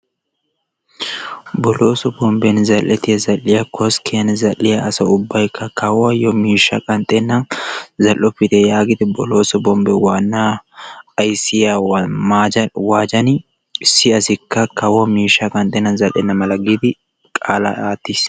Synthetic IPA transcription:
bɔloːsɔbɔmbɛnzɐlʔɛt̪ɪjɐzɐlːɪjɐkɔskɪɐnzɐlːɪjɐʔɐsɐʊbːɐjɪkʰːɐkɐwɐjɔmiːʃɐkʼɐnt̪ʼɛnːɐnzɐlːɔpːɪt̪ɛjaːɡɪd̪ɛbɔloːsɔbɔmbɛwaːnːaːɐjsɪjawmaːd͡ʒɐwaːd͡ʒɐnɪ | sːɪɐsɪkːɐkɐwɐmiːʃɐkʼɐnt̪ʼɛnːɐnzɐlʔɛ̰nːɐmɐlɐɡɪd̪ɪ | kʼaːlɐ̰aːt̪ːis

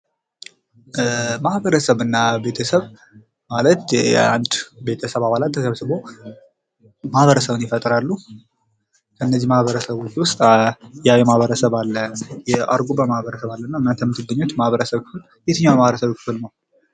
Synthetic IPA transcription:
mahβəɾəsəβɨnːabe̞t̪ʰəsəβ | malət̪a̰nd̪be̞t̪ʰəsəβaβalat̪ːəsəβsɨβo | mahβəɾəsəβɨnjɪfət̪ʼɾalːu | kʰəɨnːəzːimahβəɾəsəβɔt͡ʃːiwʊst̪ʼjajɛmahβəɾəsəβalːəjɛʔa̰ɾɡubəmahβəɾəsəβalːənːaɨnːant̪ʰəmɨt̪ʰɨɡːəɲːot̪mahβəɾəsəβkʰɨfɨl | jet̪ʰɨɲːamaβɾəsəβkʰɨ̥fɨlnəw

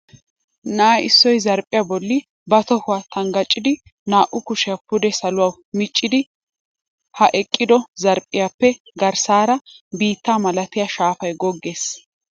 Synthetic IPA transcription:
naːɪsːɔjzɐɾpʼɪjabɔlːɪ | bɐt̪ɔhʊwat̪ʰɐŋɡɐt͡ʃʼːɪd̪ɪ | naːʔʊkʊʃɛɐpʊd̪ɛsɐlʊwaːw | mɪt͡ʃʼːɪd̪ɪ | hɐʔɛkʼːɪd̪ɔzɐɾpʼɪjaːpːɛ | ɡɐɾsaːɾɐbiːt̪ːaːmɐlɐt̪ɪjaʃaːfɐjɡɔɡːeːs

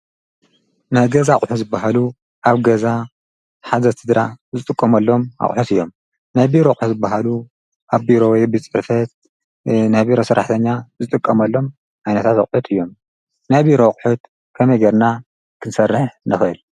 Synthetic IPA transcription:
naɡɐzaχʼħuzɨbːaɦalu | ʔaβɡɐza | ħazɐt̪ʰɨd̪ɾazɨt̪ʼɨkʼːɐmɐlːo̞ma̰χʼħut̪ɨjːo̞m | najbiɾokʼħuzɨbːaɦalu | ʔaβbiɾowjbɨt͡sʼɨfɐt̪̚ | nabiɾosɨɾʔa̰ħt̪ʰɐɲːazɨt̪ʼɨkʼːɐmɐlːo̞m | ʕajnɐt̪ʰat̪a̰kʼħut̪ʰɨjːo̞m | najbiɾo̞χʼħut̪̚ | kʰɐmɐjɡɐɾna | kʰɨnsɐrːɨħnɨxɨl

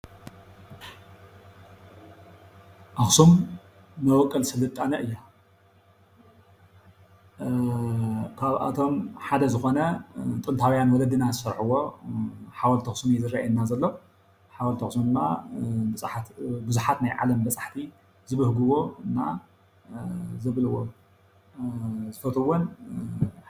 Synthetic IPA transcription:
ʔaxsum | nɐwɔkʼːɐlsɨlɨt̪ʼːanɐʔɨjːa | kʰaβʔa̰t̪ʰo̞mħad̪ɐzɨxonɐt̪ʼɨnt̪ʰawjanwɔlɐd̪ɨnazɨsɐɾħuwo̞ | ħawɐlt̪ʰɐxsmizɨɾaʔajnːazɐlːo | ħawɐlt̪ʰɐxsmid̪ɨmːa̰bɨsʼħat̪bɨzuħat̪najʕa̰lɐmbɐt͡sʼḁħt̪ʰi | zɨβɨhɡɨwo̞ɨnːa̰ | zɨβlɨwo | zɨfɐt̪ʰɨwon

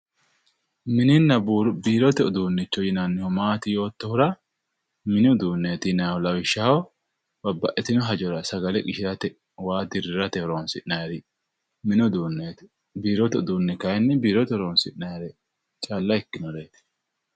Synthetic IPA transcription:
mɪnɪnːɐbuɾbiːɾɔt̪ɛʊd̪uːnːɪt͡ʃːɔjɪnanːɪhɔmaːt̪ɪjo̞ːt̪ːɔhʊɾɐ | mɪnɛʊd̪uːnːeːt̪ɪnɐɔlɐwɪʃːɐhɔ | b̥ɐbːɐʔɛt̪ɪnɔɦɐd͡ʒɔɾɐsɐɡɐlɛkʼɪʃɪɾɐt̪ɛ | waːd̪ɪɾɪɾɐt̪ɛhɔɾoːnsɪʔnajɾɛ | mɪnɔd̪unet̪ | biːɾɔt̪ɛʊd̪uːnːɪkɐjɛnːɛbiːɾɔt̪ɛhɾoːnsɪʔnaɾɛ | t͡ʃʼaːlːɐɪkːɪnɔɾeːt̪ɪ̥

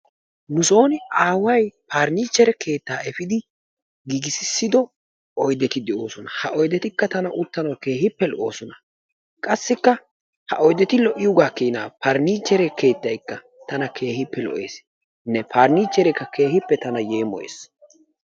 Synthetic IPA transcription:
nʊso̞ːnɪaːwɐjpaːɾniːt͡ʃːɛɾɛkʰe̞ːt̪ːaːɛfɪd̪ɪ | ɡiɡɪsɪsːɪd̪ɔ | ɔjd̪ɛt̪ɪd̪ɛʔo̞ːsɔnɐhɐʔɔjd̪ɛt̪ɪkːɐt̪ɐnɐʔʊt̪ːɐnɐwke̞ːhɪpːɛlɔʔo̞ːsɔnɐ | kʼɐsːɪkːɐ | hɐ̰ʔɔjd̪ɛt̪ɪlɔʔɪjʊɡaːkiːnaːpɐɾniːt͡ʃːɛɾɛke̞ːt̪ːɐjkːɐ | t̪ɐnɐkʰe̞ːhɪpːɛlɔ̰ʔe̞̰ːs | nɛpʰaːɾniːt͡ʃːɛɾɛkːɐke̞ːɦɪpːɛt̪ɐnɐjeːmɔ̰jḛːs

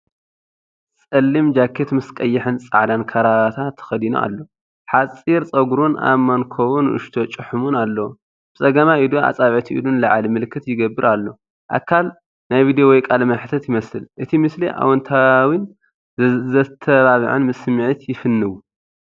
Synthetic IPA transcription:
t͡sʼɐlːimd͡ʒakʰːet̪mɨskʼɐjːɪħɨnt͡sʼa̰ʕd̪ankʰɐɾaβat̪ʰat̪ʰːɐ̥xɐd̪ino̰a̰lːo̞ | ħat͡sʼiɾt͡sʼɐɡuɾunʔa̰mːankʰoβunʔɨ̰ʃt̪ʰo̞t͡ʃʼɨħumunalːɐwu | b̥ɨsʼɐɡɐmaʔid̪ua̰t͡sʼaβʕit̪ʰiḭdunlɐʕalimɨlkːɨt̪jɪɡɐbːɨɾalːo̞ | ʔa̰kʰːal | najvid̪ijowɔjkʼalmɐnħɨt̪ʰɐt̪jɪmɐsɨlʔɨt̪ʰimɨsliʔa̰wɔnt̪ʰawin | zɐt̪ʰːɐβaβɨ̰ʕɨnmɨsɨmɨʕit̪jɪfɨnːɨwu

